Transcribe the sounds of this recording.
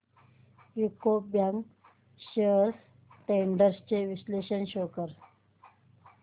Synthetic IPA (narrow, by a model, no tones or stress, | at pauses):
jukobjaŋɡ | ʃeɾs | ʈẽɳɖəɾst͡ʃeʋisleːʃənʃoːkəɾ